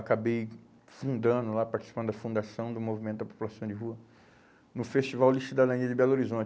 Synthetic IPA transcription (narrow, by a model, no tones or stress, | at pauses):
akabej | fũnd̪ɐ̃nd̪ʊlapaɾt͡ʃ̪i̥si̥pɐ̃d̪ʊd̪ɐfũd̪asɐ̃w̃d̪ʊmovimẽt̪ʊd̪ɐpo̥pulasɐ̃w̃d͡ʒɪɦuɐ | nʊfest͡ʃivawliʃud̪alɐ̃niɐd͡ʒɪbɛloɾizõt͡ʃ